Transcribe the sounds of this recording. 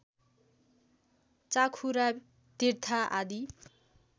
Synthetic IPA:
t͡sakʰuɾa | t̪irt̪ʰaʔa̰d̪i

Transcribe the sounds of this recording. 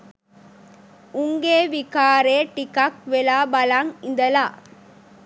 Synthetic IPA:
ʊŋɡeːʋɪkaːɾeːʈɪkːak̚ʋɛlaːbɐlaŋɪnd̪ɐlaː

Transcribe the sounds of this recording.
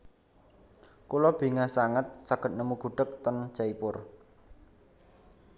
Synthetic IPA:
kulɔb̥i̤ŋasaŋət̪̚saɡ̥ə̤t̪̚nəmuɡ̥ṳɖ̥ə̤k̚t̪ɔn̥ʒ̥aipʊr

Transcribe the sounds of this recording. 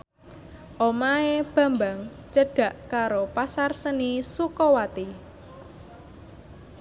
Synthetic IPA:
ʔomaeb̥ä̤mbaŋ | t͡ʃəɖ̥a̤ʔkaɾopasarsənisukɔwat̪i

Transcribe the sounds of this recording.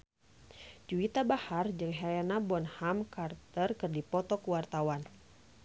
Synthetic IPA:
d͡ʒuit̪abahard͡ʒɨŋɦɛlɛnabɔnhamkart̪ərkɨrdipɔt̪ɔkuwart̪awan

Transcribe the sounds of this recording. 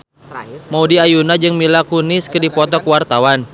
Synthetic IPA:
maudiajunad͡ʒɨŋmilakunɪskɨdipɔt̪ɔkəwart̪awan

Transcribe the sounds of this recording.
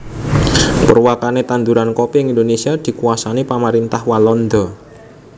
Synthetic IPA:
pərwakanet̪and̪uɾankopiŋind̪onesiad̪̥i̤kuasanipamaɾint̪ahwalɔnd̪ɔ

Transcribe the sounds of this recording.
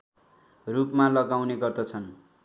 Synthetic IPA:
rupmalʌɡawneɡʌrd̪ʌt͡sʰʌn

